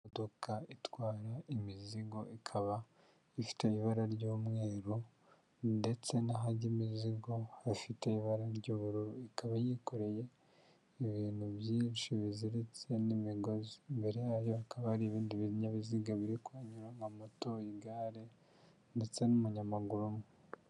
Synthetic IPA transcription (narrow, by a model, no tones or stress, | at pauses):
dokaitwaːɾaimiziɡo̞ʔikʰaβa | ifi̥teiβaɾaɾɟuːmŋe̞ːɾu | nde̞t͡se̞naɦaɟimiziɡo̞hafiteiβaɾaɾɟuːβuɾuɾuikaβajikoɾe̞je̞ | iβiːnhuβjiːnʃiβiziɾet͡se̞nimiɡo̞zimbe̞ɾe̞jaːβjoakʰaβahaɾiβiːndiβiɲaβiziɡaβiɾikwaɲuɾaŋamotoiɡaːɾe | nde̞t͡se̞numuɲamaɡuɾumŋe